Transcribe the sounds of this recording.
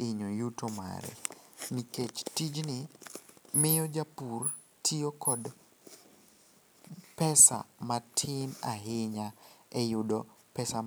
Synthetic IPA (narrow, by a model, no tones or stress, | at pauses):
ɪɲojutoma̰ɾɛ̰niket͡ʃtid͡ʒnɪ | mɪjɔd͡ʒapur | tʰiokɔd | pɛsa̰matʰɪnaɦɪɲaɛjʊdopɛsa